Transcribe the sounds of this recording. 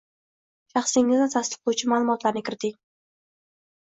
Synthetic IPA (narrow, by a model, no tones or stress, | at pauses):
ʃɑχsɪŋːɪznɪt̪ʰast̪ɨ̥qlˠowt͡ʃʰɪmaːlˠʊmɒt̪laɾnɪkʲʰɪɾɪt̪ʰɪŋ